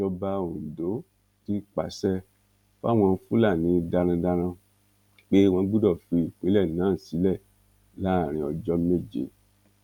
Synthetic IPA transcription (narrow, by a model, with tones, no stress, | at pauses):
ɔ˧ba˧o˨do˨˦ | ti˦k͡pa̰˨sɛ˦ | fa˦˨w̃ɔ̃˧n̩˦fu˦la˦˨nĩ˨˦da˧ɾ̃ã˧da˧ɾ̃ã˧ | k͡pe˦w̃ɔ̃˧˦ɡ͡bu˦dɔ˦˨fi˧i˨k͡pĩ˨˦lɛ˦˨nãː˨˦˨si˨˦lɛ˦˨ | la˦˨ɾ̃ĩ˧ɔ˧˨d͡ʒɔ˧˦me˦˨d͡ʒḛ˨˦